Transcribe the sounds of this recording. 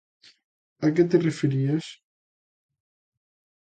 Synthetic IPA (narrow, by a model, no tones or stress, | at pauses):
ak̬et̪̬erefeɾias